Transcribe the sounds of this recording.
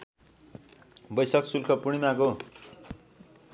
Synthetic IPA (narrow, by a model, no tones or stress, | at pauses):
bʌjsʌksulkʰʌpuɽ̃imako